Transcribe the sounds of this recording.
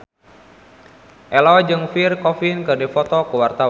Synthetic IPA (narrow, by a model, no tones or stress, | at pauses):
ʔɛlɔd͡ʒɨŋfirkɔfinkɨrdɛfɔt̪ɔkəwart̪aw